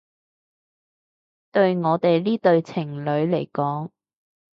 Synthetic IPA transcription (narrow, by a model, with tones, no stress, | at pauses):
t̪ɵ˧ɥŋɔː˨˧t̪e˨jliː˥t̪ɵ˧ɥt͡sʰɪ˨˩ŋlɵ˨˧˥ɥle˨˩jkɔː˨˥ŋ